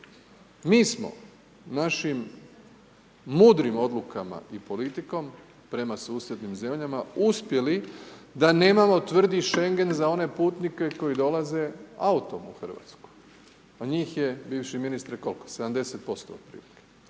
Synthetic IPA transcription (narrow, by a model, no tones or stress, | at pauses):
miːsmo̞̰ | naʃim | uːd̪ɾimo̞d̪lukama̰ipo̞lit̪iko̞m | pɾe̞masuːsje̞d̪nimze̞mʎamauspje̞lid̪ane̞ːmamo̞t̪ʋr̩d̪iʃe̞ŋɡe̞nzao̞ne̞puːt̪nike̞ko̞jid̪o̞laze̞aut̪o̞muxr̩ʋa̰t̪sku̥j | aɲiːxje̞biːʋʃiminist̪ɾeko̞lˠkosed̪amd̪e̞set̪̚po̞st̪o̰ːd̪̚pɾḭːlike̥